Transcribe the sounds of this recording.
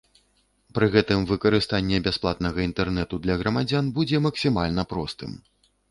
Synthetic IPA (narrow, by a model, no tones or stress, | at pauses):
pɾɨɣɛt̪ɨmvɨkɐɾɨst̪anʲːɛbʲasplˠat̪̚nɐɣɐint̪ɛrnɛt̪ud̪lʲɐɣɾɐmad͡zʲanbud͡zʲɛmɐksʲimalʲnɐpɾɔst̪ɨ̰m